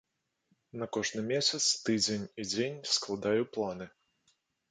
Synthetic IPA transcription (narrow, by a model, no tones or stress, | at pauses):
nɐkɔʐnɨmʲesʲɐt̪st̪ɨd͡zʲenʲid͡zʲenʲsklˠad̪ajʊplˠanɨ